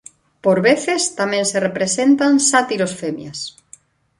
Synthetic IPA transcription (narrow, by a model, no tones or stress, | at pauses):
poɾβeθest̪amẽnserepɾesent̪ansat̪iɾosfemjas